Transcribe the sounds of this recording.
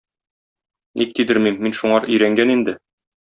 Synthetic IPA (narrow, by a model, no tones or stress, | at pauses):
nʔik̚t̪id̪ɘɾmimːinʃuɴɑɾʔɵ̆jɾæŋɡænind̪ɘ